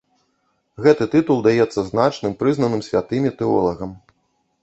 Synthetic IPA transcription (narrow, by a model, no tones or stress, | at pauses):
ɣɛt̪ɨt̪ɨt̪ulˠd̪ajɛt̪sːɐznat͡ʂnɨmpɾɨznɐnɨmsʲvʲat̪ɨmʲit̪ɛɔlˠɐɣɐm